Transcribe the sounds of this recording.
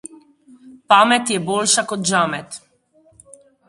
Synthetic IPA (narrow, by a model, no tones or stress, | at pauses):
pamɛt̪jɛbɔlʲʃakɔd̪ʒamɛt̪